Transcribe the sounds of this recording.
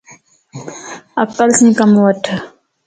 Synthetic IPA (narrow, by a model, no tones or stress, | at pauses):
ɐkəlsĩːkɐmwɐʈʰ